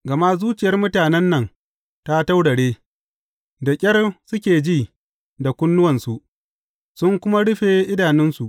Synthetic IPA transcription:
ɡɐ˨ma˦zuː˦t͡ʃɪ˨jɐ˦rmʊ˦taː˨nɛ˦nːɐ˨ŋ | ta˦ta˦wɽɐ˨ɽeː˦ | da˨kʲʼɐ˦rsʊ˦kʲeː˨d͡ʒiː˦˨ | da˨kʷʊ˦nːʊ˦wɐ˨nsu˨ʔ | sʊ˦ŋkʷʊ˦ma˦ɽʊ˦ɸeː˨ʔɪ˦daː˨nɪ˦nsu˨ʔ

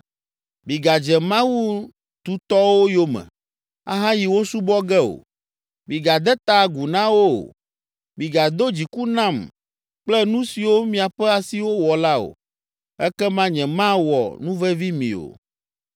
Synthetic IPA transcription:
mĩ˨ɡa˨d͡ʒɛ˨mã˦wu˦ | t̪u˦t̪ɔ˦wo˦jo˦mɛ̰̃˨ | a̰˦ɦã˦ji˨wo˦su˦bɔ˦ɡɛ˦o̰˨ | mĩ˨ɡa˨d̪ɛ˦t̪a˦˨ɡu˨nã˦wo̰˦˨ | mĩ˨ɡa˨d̪o˦d͡ʑi˨ku˦nã˦˨m | k͡plɛ˦nũ˦si˨wo˦mĩ˦a˨ɸɛ˦a˨si˦wo˦wɔ˨la˦o̰˨ | ɛ˦kɛ˦mã˦ɲɛ̃˨mã˦wɔ̰˨nũ˦vɛ˦vi˦mḭ̃˨o̰˨

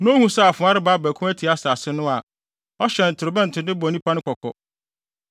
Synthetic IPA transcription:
nã˦hũ˦sa˦˨fʊ̃˨˦a˦ɾɪ˦ba˦bæː˨kʰũ˦mæ˦tʰi˨a˦sa˨sɪ˦nʊ̃˦a˨ | ɔ˦ɕɛ̃˨n̩˨tʰɪ˨ɾɪ˨bɛ̃˦n̩˨tʰɪ˨dɪ̃˦bɔ˨nĩ˦pʰa˦nʊ̃˦kʰɔ˨kʰɔ̰˨

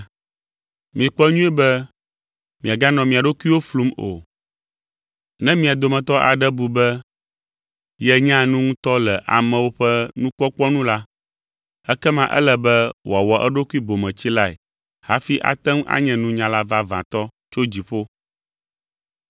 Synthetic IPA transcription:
mĩ˨k͡pɔ˦ɲũ˦ɛ˦bɛ˦ | mĩ˨a˨ɡa˦nɔ̃˨mĩ˨a˨ɖo˦ku˦i˦wo˦flu˦mo̰˨ | nɛ̃˦mĩ˨a˨d̪o˨mɛ̃˨t̪ɔ˦ʔa̰˨ɖɛ˦bu˨bɛ˦ | jɛ˦ɲã˦nũ˦ŋũ˦t̪ɔ˦lɛ˨ʔa̰˨mɛ̃˨wo˦ɸɛ˦nũ˦k͡pɔ˦k͡pɔ˦nũ˦la˦ | ɛ˦kɛ˦mã˨ʔɛ̰˦lɛ˨bɛ˦wo˨a˨wɔ˨ʔɛ˦ɖo˦ku˦i˦bo˨mɛ̃˨t͡ɕi˦la˦ḛ˨ | ha̰˦fi˦ʔa̰˨t̪ɛ˦ŋ˦ʔa̰˦ɲɛ̃˨nũ˦ɲã˨la˦va˦vã˨t̪ɔ˦t͡ʃo˦d͡ʑi˨ɸo˦

